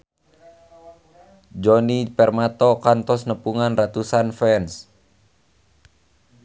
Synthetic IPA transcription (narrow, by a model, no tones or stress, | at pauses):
d͡ʒɔnipɛrmat̪ɔkant̪ɔsnəpuŋanrat̪usanfɛns